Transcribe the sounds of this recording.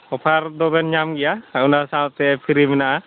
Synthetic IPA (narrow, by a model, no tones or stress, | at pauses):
ɔpʰaɾd̪ɔbɛnɲamɡɛjaunasat̪ɛpʰiɾimɛnaʔa